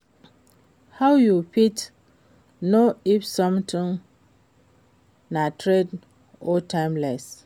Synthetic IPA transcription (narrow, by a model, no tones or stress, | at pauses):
hawjupit | noifsɔ̃mtʰĩŋ | nãtʰɾed | ɔtʰãɪ̃mlɛs